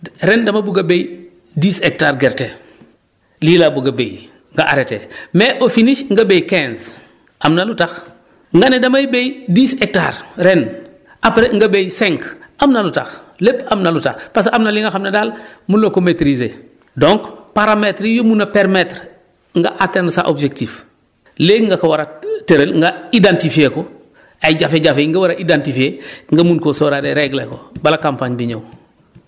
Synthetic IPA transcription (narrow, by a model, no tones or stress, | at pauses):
ɾendamabuɡabej | diːsek̚taɾɡɛɾtḛ | lilabuɡabḛj | ŋɡaʔa̰ɾetḛmeʔofiniʃŋɡabejkɛ̃nz | ʔamnalutax | ŋɡanedamajbejdiːsek̚ta̰ːɾɾen | ʔapɾeŋɡabejsɛ̃ŋkamnalutaxlepamnaluta̰xpas̬ʔamnaliŋaxamnɐdaːlmunlokometɾizeː | doŋkpaɾametɾijomunapeɾmetɾ | ŋɡa̰ʔatɛndsa̰ʔobd͡ʒektiːf | leŋɡakawaɾateɾelŋɡaidantifieko | ajɟafeɟafeːŋɡawaɾaʔidantifieŋɡamunkosoɾadeɾeɡlḛkobalakampaɲbiɲo̰w